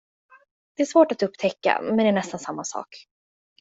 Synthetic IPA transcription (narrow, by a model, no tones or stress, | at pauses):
d̪̥ɛæʂvoːʈat̪ɵpːt̪ʰɛkːa̰mɛnd̪ɛːɳɛst̪ansamːasɑ̰ːk